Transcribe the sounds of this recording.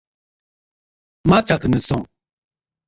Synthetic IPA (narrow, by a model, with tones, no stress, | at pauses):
mã˦t͡ʃa˨k̪ɨ˨nə˨sɔ̃˦˨